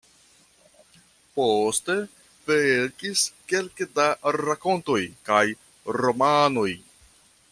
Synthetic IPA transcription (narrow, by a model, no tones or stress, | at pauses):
poste̞ | veɾkiske̞lkdaɾako̞nto̞jkaj | ɾo̞mano̞j